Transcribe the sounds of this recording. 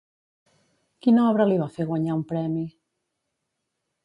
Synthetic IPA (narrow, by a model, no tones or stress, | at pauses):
kinɔaβɾaliβafeɣwaɲaumpɾɛmi